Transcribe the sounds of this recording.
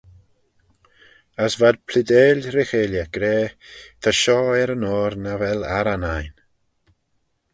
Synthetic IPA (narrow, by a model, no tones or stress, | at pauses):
əsvad̪̚pʰlɪd̪eːlɾɪxeːljaɡ̥ɾeːt̪ʰaʃɔːɛɾənɔːɾnavɛlaɾanajn